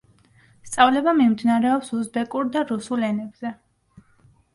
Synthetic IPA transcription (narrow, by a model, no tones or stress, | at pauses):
st̪sʼavlɛbamimd̪inaɾɛɔpsuzbɛkʼuɾd̪aɾusulɛnɛbz̥ɛ